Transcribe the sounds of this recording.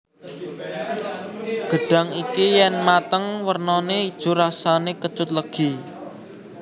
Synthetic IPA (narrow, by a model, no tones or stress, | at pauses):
ɡ̥ə̤ɖ̥a̤ŋikijɛnmat̪əŋwərnɔneid̥ʒ̥ṳɾasanekə̥t͡ʃʊt̪̚ləɡ̥i